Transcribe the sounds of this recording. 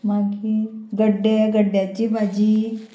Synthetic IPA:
maɡiːɡəɖeɡəɖjat͡ɕiːmad͡ʑʱiː

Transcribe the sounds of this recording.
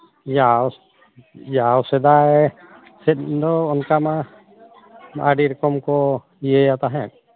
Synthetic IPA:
jaw | jawsɛd̪aj | sɛt̪̚d̪ɔːnkama | aɖiɾɔkɔmkɔ | ijɛjat̪aɦɛn

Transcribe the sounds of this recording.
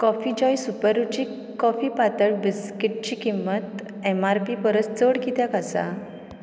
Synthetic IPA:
kɔfid͡ʑɔjsupəɾut͡ɕi | kɔfiːpat̪əɭbiskiʈ̚t͡ɕiːkimːət̪ | emaɾpipəɾət͡st͡səɽkit̪jakasa̰

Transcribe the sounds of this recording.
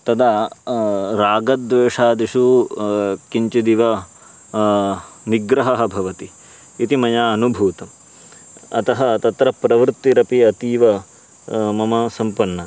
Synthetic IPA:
t̪ɐd̪a | ɾaːɡɐd̪ʋeːʂaːd̪iʂu | kiɲt͡ʃid̪iʋɐ | miɡɾɐɦɐɦɐ̆bʱɐʋɐt̪iː | t̪imɐjaːɐnubʱuːt̪ɐm | ɐ̰t̪ɐɦɐt̪ɐt̪ɾɐpɾɐʋɾt̪ːiɾɐpiɐt̪iːʋɐ | mɐmɐsɐmpɐnːɐ

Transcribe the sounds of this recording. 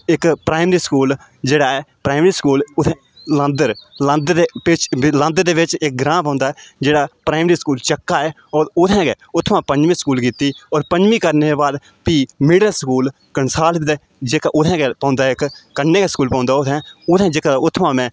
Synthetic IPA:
ɪkpɾaːɪmɾiːskuːl | d͡ʒeːɽaːɛːpɾaːɪmɾiːskuːlʊt̪ʰː | lə̃nd̪əɾlə̃nd̪eːpɪt͡ʃlə̃nd̪əɾd̪eːʋɪt͡ʃɪk̚ɡɾãːpãːnd̪aːɛːd͡ʒeːɽaːpɾaːɪmɾiːskuːlt͡ʃəkːaːɛː | ɔːɾʊt̪ʰɛ̃ːkeːʊt̪ʰːmãːpəɲd͡ʒmĩːskuːlkiːt̪iːɔːɾpəɲd͡ʒmĩːkəɾneːeːbaːd̪ | piːmɪɽəlskuːl | kəɳsaːld̪eː | d͡ʒekaʔʊt̪ʰɛ̃ːkeːpãːnd̪aːɪkːəneːkeskuːlpãːnd̪aːʊt̪ʰɛ̃ːʊt̪ʰɛ̃ːd͡ʒeːkaːʊt̪ʰːmãːmɛ̃ː

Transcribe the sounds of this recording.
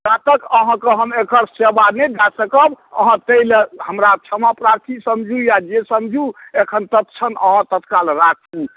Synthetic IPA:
d͡ʒat̪əkəɦãkəɦəmekəɾsebanɛd͡ʒasəkəbə̰ɦãt̪əilehəmɾat͡ʃʰəmapɾaɾt̪ʰisəmd͡ʒʱujad͡ʒesəmd͡ʒʱuekʰənt̪ət̪t͡ʃʰənəɦãt̪ət̪kalɾat͡ʃu

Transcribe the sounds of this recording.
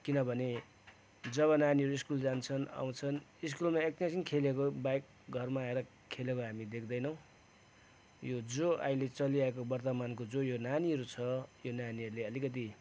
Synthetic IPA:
kinʌbʱʌne | d͡zʌβʌnaniʌɾuiskuld͡zant͡sʰʌna̰w̃t͡sʰʌniskulmaek̚t̪insinkʰelekobajk̚ | ɡʱʌrmaːeɾʌ | kʰːelekoɦamid̪ekʰd̪ʌjnʌw̃ | jod͡zoʔa̰jlet͡sʌliaekobʌrt̪ʌmankod͡zojonaniɦʌɾut͡sʰʌjonaniʌɾuleʌlikʌt̪̬i

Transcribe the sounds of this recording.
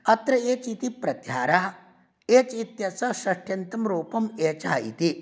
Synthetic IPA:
ɐt̪ɾɐeːt͡ʃit̪ipɾɐt̪jaːɾaɦɐ | eːt͡ʃit̪jɐt͡sɐsɐʂʈjɐnt̪ɐmɾoːpɐmeːt͡ʃaɦɐḭt̪i

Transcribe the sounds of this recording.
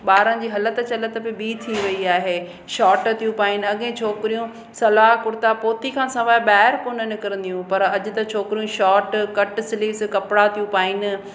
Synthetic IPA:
ɓaːɾən̆d͡ʑiːɦɐlət̪ə̆t͡ɕɐlət̪əbɪbiːt̪ʰĩʋɐiaːɦeː | ʃɔːʈ̆t̪ʰijũpaːɪnɪ̆ɐɠẽt͡ɕʰoːkɪɾijũ | sɐlaːɦkʊɾɪt̪apoːt̪ikʰãːsɐ̃ʋaːɓaːɦɪɾkoːnənɪkɐɾə̃nd̪ijũpɐɾɐʄʊ̆t̪ɐt͡ɕʰoːkɪɾijũʃɔːʈkɐʈsɪliːskɐpɽat̪ʰijũpaːɪnɪ̆

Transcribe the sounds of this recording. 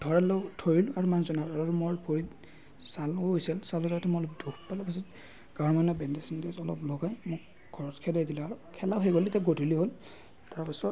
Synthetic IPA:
d̥ʱɔɹɛlotʰoɹilaɹumanzɔnaaɹaɹumɔɹpʰoɹit | salojsɛlsalotatʰɛmɔɔlɔp̚dukʰpalɔpasit | ɡ̥aɹmanɔbɛndɛsindesɔlɔ̰plɔɡajmʊk̚ | ɡʰʱɔɹɔtkʰɛlɛdilɛaɹukʰɛlaɦejɡolitɛɡodʱiliɦol | taɹpisɔ

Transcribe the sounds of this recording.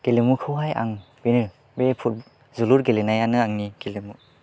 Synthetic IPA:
ɡ̥elemukʰɯwɦajʔa̰ŋ | benɯ | bepʰut̚ | zuluɾɡelenajanɯaŋniɡelemu

